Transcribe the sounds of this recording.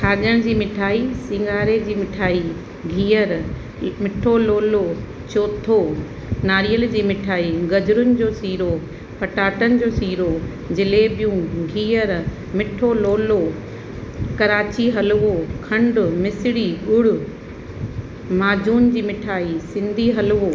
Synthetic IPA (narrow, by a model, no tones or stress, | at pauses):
kʰaːʄəɽ̃d͡ʑiːmɪʈʰaːisɪ̃ŋɡʱaːɾed͡ʑiːmɪʈʰaːi | ɡʱiːəɾ | mɪʈʰoloːlo | t͡ɕoːt̪ʰo | naːɾijəld͡ʑiːmɪʈʰaːiɡɐd͡ʑʊɾʊnɪ̆d͡ʑoːsiːɾo | pɐʈaːʈənɪ̆d͡ʑoːsiːɾo | d͡ʑɪlebijũɡʱiːəɾ | mɪʈʰoloːlo | kɐɾaːt͡ɕiɦɐlʊʋokʰɐ̃ɳɖʊmɪsɪɽiʊɽʊ̆ | maːd͡ʑuːnd͡ʑiːmɪʈʰaːisɪ̃nd̪ʱiɦɐlʋo